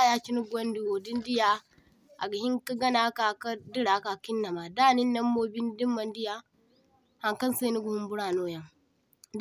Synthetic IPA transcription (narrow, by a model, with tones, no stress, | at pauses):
ja˦t͡ʃi˦nu˦ɡo˦ndi˦wo˨di˦ndi˦ja˨ | ʔa̰˨ɡɐ˨hi˦ŋka˦ɡɐ˦na˦ka˨ka˦di˦ɽa˨ka˨ki˦nːɐ˨maː˨daː˦˨ni˦nːɐ˦mːoː˦bi˦ndi˦mːɐ˨ndi˦ja˨ | ha˨ŋkɐ˦nsa˦nu˦ɡu˨hu˦mbu˦ɽaː˨noː˦jɐ˨ŋ | d